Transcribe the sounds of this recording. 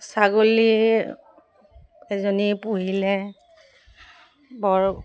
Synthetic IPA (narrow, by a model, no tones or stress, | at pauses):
saɡoli | ɛzɔnipuɦilɛ | bɔɹ